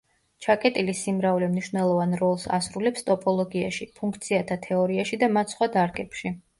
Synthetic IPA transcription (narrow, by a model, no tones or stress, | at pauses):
t͡ʃʰakʼɛt̪ʼilisimɾaulɛmniʃvnɛlˠɔvanɾɔlˠsa̰sɾulɛpst̪ʼɔpʼɔlˠɔɡia̰ʃipʰuŋk̚ʰt̪sʰiat̪ʰat̪ʰɛɔɾiaʃid̪amat̪ʰsχwad̪aɾɡɛpʃi